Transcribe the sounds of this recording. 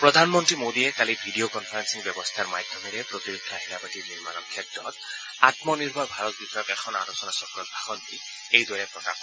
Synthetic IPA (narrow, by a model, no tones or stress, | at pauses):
pɾɔd̪ʱanmɔnt̪ɾimod̪iekalibʱiɖiokɔnpʰaɾansiŋbjɔbɔst̪ʰaɾmad̪ʱjɔmiɾepɾɔt̪iɾikʰːaɦilabatiniɾma̰nɔɾkʰɛtɾɔt̪ | at̪mɔniɾbʱɔbʱaɾɔt̪̚bit̪ɔjɔkekʰɔnaɾosɔnasɔkɾɔt̪̚bʱaxɔnt̪i | ejd̪wɔɾɛpɾɔka̰p